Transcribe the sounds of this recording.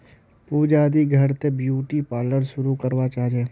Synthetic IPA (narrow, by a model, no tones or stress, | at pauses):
puːd͡ʒaːd̪iɡʱɐɾt̪ebjuːʈipaːləɾʃʊɾukəɾʋat͡ʃaːd͡ʒeː